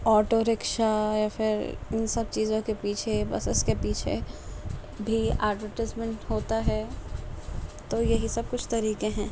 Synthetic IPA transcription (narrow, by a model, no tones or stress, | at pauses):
ɔːʈoɾɪkʃajafɪɾɪ̰nsɐb̚t͡ʃiːzõkepiːt͡ʃʰebɐ̰sʊskepiːt͡ʃʰḛ | bʱia̰ːɖʋəɾʈaɪzmɛ̃ɳʈɦoːt̪aɦɛ | t̪oːjɐɦisɐb̚kʊt͡ʃʰt̪ɐɾiːkẽɦɛ̃ː